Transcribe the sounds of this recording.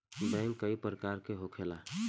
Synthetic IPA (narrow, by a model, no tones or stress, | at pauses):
bɛ̃ːŋkəipəɾəkaːɾkeɦokʰela